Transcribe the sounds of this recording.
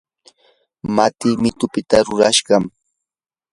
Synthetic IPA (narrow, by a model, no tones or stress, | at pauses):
mat̪ɪmɪt̪ʊpɪt̪aɾʊɾaʃɢɑm